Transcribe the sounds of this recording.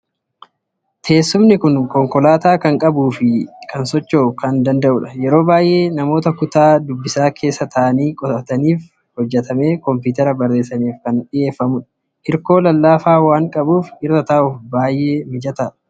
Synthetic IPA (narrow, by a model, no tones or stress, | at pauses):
t̪ʰe̞ːsːʊmnɪkʊŋkɔŋkɔlaːt̪aːkɐŋkʼɐbuːfɪkʰɐnsɔt͡ʃːoːkɐnd̪ɐnd̪ɐʔʊᶑɐ̥jɛɾo̞ːbaːjʔe̞ːnɐmo̞ːt̪ɐkʊt̪aːd̪ʊbːɪsaːkʰe̞ːsːɐt̪ʰɐʔɐniːkʼɔt̪ɐt̪ɐniːf | hɔd͡ʒːɛt̪ʰɐme̞ːkɔmpɪːt̪ɛɾɐbɐrːe̞ːsːɐniːfkɐnᶑɪje̞ːfːɐmʊᶑɐ̥ | ʔɪɾko̞ːlɐlːaːfaːwaːŋkʼɐbuːfʔɪrːɐt̪ɐʔʊfbaːjʔe̞ːmɪd͡ʒɐt̪aːᶑɐ̥